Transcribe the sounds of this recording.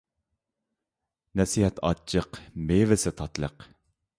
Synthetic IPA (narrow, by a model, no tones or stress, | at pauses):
nɛsiɦɛt̪ʰɑ̰t͡ʃʰːəqmevɪsɪt̪ʰɑt̪lˠəq